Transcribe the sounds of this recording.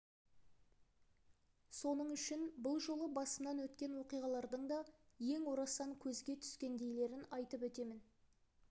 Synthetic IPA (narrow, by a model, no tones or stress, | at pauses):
so̞nəɴʏʃɪnbʊlˠʒo̞lˠəbɑsəmnɑnwɵt̪kʲe̞nwo̞qijʁɑlˠɑɾd̪əɴd̪ɑje̞ŋwoɾɑsɑŋkʲʰɵzɡʲe̞t̪ʰʏ̥skʲe̞nd̪e̞jle̞ɾɪnɑjt̪əpwɵt̪e̞mɪn